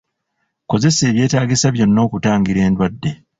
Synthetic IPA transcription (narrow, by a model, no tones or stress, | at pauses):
ko̞ze̞se̞ːβje̞ːtaːɡisaβjo̞nːo̞ːkutaːŋɡiɾe̞ːndwadːe̞